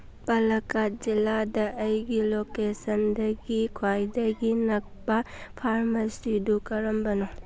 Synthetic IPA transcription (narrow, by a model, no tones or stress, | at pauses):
pɐlɐkad͡ʒilːadɐʔɐjɡilokesɐndɐɡikʰwajdɐɡinɐk̚pɐ | pʰaɾmɐsidukɐɾɐmbɐno